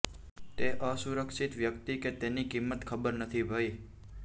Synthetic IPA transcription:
t̪eʔəsuɾəkʃit̪ʋjəkt̪iket̪enikimːət̪kʰəbəɾnət̪ʰibʱəj

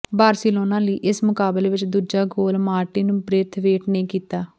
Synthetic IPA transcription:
baːɾsiːloːnãːləiːʔɪsmʊkaːbleːʋɪt͡ʃd̪uːd͡ʒaːɡoːlmaːɾʈiːnũːpɾeːt̪ʰʋeːʈneĩːkiːt̪aː

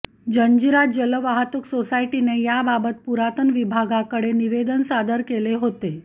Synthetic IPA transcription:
d͡ʑəɲd͡ʑiɾat̚d͡ʑələʋaɦat̪uksosaiʈinejababət̪̚puɾat̪ənʋibʱaɡakəɽeniʋed̪ənsad̪əɾkeleɦot̪e

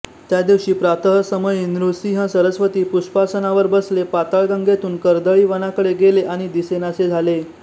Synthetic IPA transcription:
t̪jad̪iwɕiːpɾat̪əɦəsəməjinɾusiɦə̃səɾəsʋət̪iːpuɕpasənaʋəɾbəslepat̪aɭɡãŋɡet̪uːnkəɾd̪əɭiːʋənakəɽeɡeleʔaɽ̃id̪isenased͡zʱale

